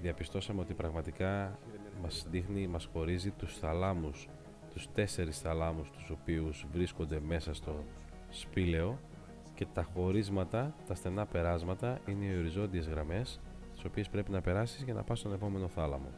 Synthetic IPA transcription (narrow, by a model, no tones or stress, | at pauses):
ðiɐpist̪o̞sɐme̞o̞t̪ipɾɐɣmɐt̪ikɐmɐsðixnimɐsxo̞ɾizit̪usθɐlɐmus | t̪ust̪e̞se̞ɾisθɐlɐmust̪u̥so̞piuzvɾisko̞nd̪e̞me̞sɐst̪o̞ | spile̞o̞ | ce̞t̪ɐxo̞ɾizmɐt̪ɐt̪ɐst̪e̞nɐpe̞ɾɐzmɐt̪ɐʔine̞io̞ɾizo̞nd̪ie̞zɣɾɐme̞s | t̪i̥so̞piespɾe̞pinɐpe̞ɾɐsizʝɐnɐ̰pɐst̪one̞po̞me̞no̞θɐlɐ̰mo̞̰